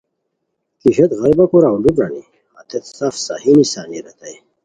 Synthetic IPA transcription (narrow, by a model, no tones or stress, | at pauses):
kiɕet̪ɣɐɾbakuɾawlubɾanḭ | at̪ʰet̪safsa̰hinisaːniɾɐt̪aj